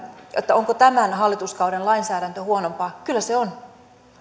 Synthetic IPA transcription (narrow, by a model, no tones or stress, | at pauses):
et̪ːæoŋkot̪æmænɦɑlːit̪uskɑuɾenlɑinsæːɾænt̪øhuonompɑːkylːæseon